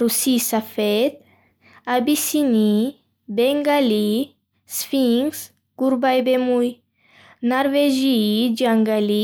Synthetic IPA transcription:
ɾusisafet̪ | abisini | beŋɡali | sfiŋs | kuɾbajbemuj | naɾveʒiid͡ʒaŋɡali

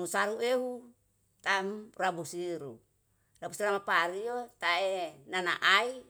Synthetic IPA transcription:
usaɾueɦu | t̪amrabusiɾu | rabusiɾamapaɾijot̪aeenana̰ʔai

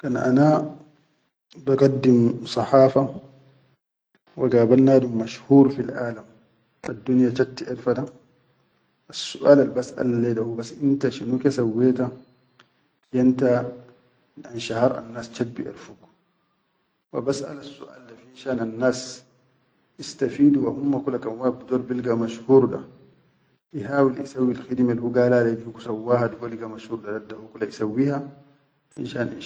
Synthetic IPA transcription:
kanaʔa̰na | baɡɑdːimsˤɑħaːfa | waɡaːbanːadummaʃhuːɾfilʔaːlam | adːunjat͡ʃatːiʔɛɾfada | ʔasːuʔaːlalbasʔa̰laledahubasʔintaʃinukesawːɛːta | janta | anʃahɑɾˤʔa̰nːaːst͡ʃad̚bḭʔa̰lfuk | wa̰basʔa̰lasːṵʔa̰ːldafinʃaːnanːaːs | ʔist̪afiːduwahumːakulakanwaːbid̪oːɾbilɡamaʃhuːɾda̰ | ʔihaːwilʔisawːilxid̪melhuɡaːlaːlabihkusawːaːhaduɡalɡamaʃhuːɾdadadahukulːaʔisawːiːha | ʔḭnʃaːnʔḭ

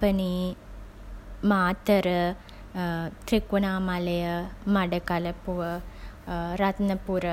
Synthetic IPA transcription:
pɐni | maːt̪ɐɾɨ | t̪ɾikunaːmalɐjɐmɐɽɐkalɐpuʋɐ | ɾɐt̪nɐpuɾɐ

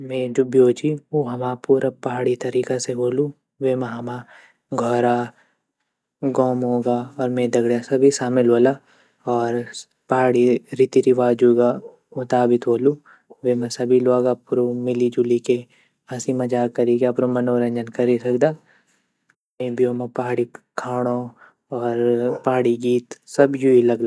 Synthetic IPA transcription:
mẽd͡ʒʊbjoːt͡ʃioɦɐmaːpuːɾʔapɐɦaːɽit̪ɐɾiːkaseɦoːlu | ʋeːmɐ̃ɦɐma | ɡʱɔːɾa | ɡɔːmɦoːɡaɔːɾmẽd̪ɐɡɽjasɐbʱisaːmɪlɦoːlaː | ɔːɾ | pɐɦaːɽiɾɪt̪iɾiʋaːd͡ʒuːɡa | mʊt̪aːbɪt̪ɦoːlu | ʋemɛ̃sɐbʱiloːɡapʊɾomɪlid͡ʒulike | asimɐd͡ʒaːkɐɾikeɐpɾomɐnoːɾə̃ɲd͡ʒənkɐɾisɐkd̪aː | mẽbʱijomẽpɐɦaːɽikʰaːɽ̃o | ɔːɾpaɦaɽiɡiːt̪sɐbʱjuilɐɡlaː

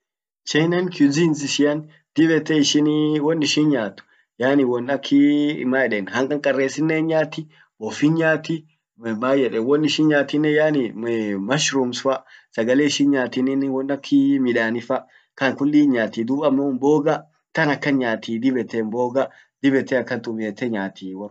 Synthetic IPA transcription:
t͡ʃɛjnɐnkjuziːnsɪʃɪjɐn | d̪̥ɪbɛt̪ːɛɪʃɪnwɔnːɪʃɪnɲaːt̪ːʊ̥ | jaːnɪwɔnːɐkʰːɪmaɛᶑɛnhɐŋkʼɐŋkʼɐrːeːsɪnːenɲaːt̪ːɪ | bɔfinɲaːt̪ɪ | baːjɛᶑɛwɔnːɪʃɪnɲaːt̪ɪnːɛjaːnɪmɐʃɾumsʊɐsɐɡɐleːɪʃɪnɲaːt̪ɪnɪnwɔnːɐkʰːɪmɪᶑaːnɪfɐ | kɐŋkʊlːiːɲaːt̪iːd̪ʊbɐmːoʊmboːɡɐ | t̪ɐnɐkːɐnɲaːt̪ʰiːd̪ɪbɛt̪ːɛmboːɡɐ | d̪̥ɪbɛt̪ːɛɐkːɐnt̪ʼʊbeːt̪ːɛɲaːt̪iːw

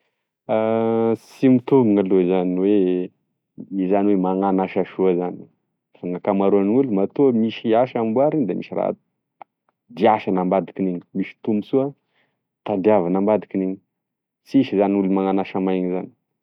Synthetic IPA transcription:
asimit̪ubuŋalozaniwe | izaniwemaŋanaʃaʃuazan | faŋakamaɾuanulumat̪umiʃiaʃambuaɾiɲd̪amiʃira̰a̰t̪u̥ | d̪iaʃənambad̪ikineɲi̥miʃi̥t̪umusua | t̪ad̪iavanambad̪ikineɲi̥ | siʃizaniulumaŋanaʃamajɲizani

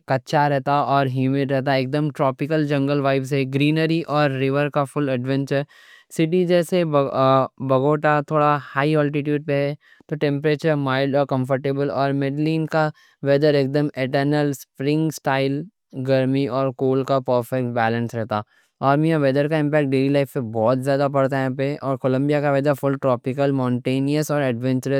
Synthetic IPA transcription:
kɐtːʃʰaɾɛɦt̪aɔːɾɦjuːmɪɖɾɛɦt̪̬aeːk̚d̪əmʈɾɔːpɪkəld͡ʒɐ̃ŋɡəlʋaːɪbsɦɛɡɾiːnəɾiʔɔːɾːɪʋəɾkafʊlɐɖʋɛ̃nt͡ʃəɾ | sɪʈid͡ʒɛːse | bɐɡoːʈat̪ʰoːɽahaːiɔːlʈɪʈjuːɖ̚peɦɛ | t̪oʈɛ̃mpɾeːt͡ʃəɾmaːɪɖɔːɾkɐ̃mfəɾʈeːbəlɔːɾmeɖliːnka | ʋɛːd̪əɾeːk̚d̪əmeʈəɾnəlspɾɪ̃ŋɡsʈaːɪl | ɡɐɾmiɔːɾkoːlkapəɾfɛk̚ʈ̚bɛːlə̃nsɾɛɦt̪a | ɔːɾmĩjãʋɛd̪əɾkaɪ̃mpɛːkʈ̚ɖeːɾilaɪfpebɔːt̪zjaːd̪ap̬ɐɽt̪aɦɛːpeʔɔːɾkoːlə̃mbijakaʋɛːd͡ʒafʊlʈɾɔːpɪkəlmɔ̃ːɳʈeːniəsɔːɾɛɖʋɛ̃ɲt͡ʃəɾə

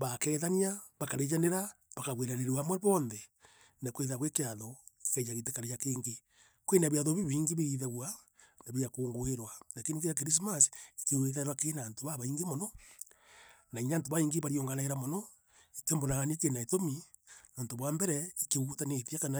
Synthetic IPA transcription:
βakɛːðaniaβakaɾed͡ʒaneɾa | βakaɣweɾaneɾewamwɛβɔːnðɛ | nakweðaɣwekeaðɔ̥kɛjaɣetekaɾejakeːŋɡe | kwenaβjaðoβiβiːŋɡiβeðaβwa | naβiakoːŋɡoeɾwanakenikejak̬eɾis̬masi̥keweðaɾwakenaːntoβaβaiŋɡemonɔ | naiɲaːntoβaiŋɡeβaɾioŋɡanaeɾamonɔ | itembonaɣanikenaetomi | noːntoβwambɛɾɛikeutaneθjakana

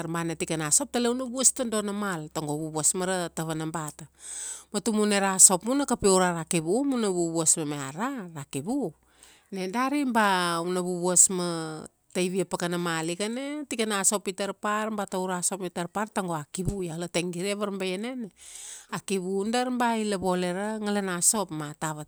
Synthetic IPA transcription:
aɾmbanetikanaso̞p̚taleunabuastando̞namaltaŋɡoβuβuasmaɾataβanambatamatumuneɾaso̞pmunakapeuɾaɾakiβumunaβuβuasmameaɾaɾakiβu | ne̞daɾimbaunaβuβuasma | tajβiapakanamalikanetikanaso̞pitaɾpaɾmbatauɾaso̞pmitaɾpaɾtaŋɡoakiβujalateŋɡiɾeβaɾmbajeneneakiβundaɾmbaileβo̞le̞ɾaŋalanaso̞pmataβa

